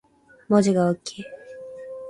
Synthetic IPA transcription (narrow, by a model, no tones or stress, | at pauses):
mod͡ʑiɡaokʲʰːeː